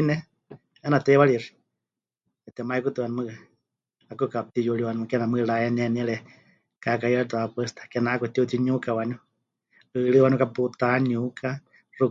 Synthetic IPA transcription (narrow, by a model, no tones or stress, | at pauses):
nɛ | ɛnat̪ɛwaɺiri | ɛt̪ɛmaikut̪ɨwanumɨa | akukap̚t̪ijuɺiwanumɨkɛnamɨɺaɛnɛniɺɛ | kakajalɛt̪aapɛst̪ḁkɛnakut̪iut̪iɲukawanu | ɨɺɨwanukaput̪anukʰa | ru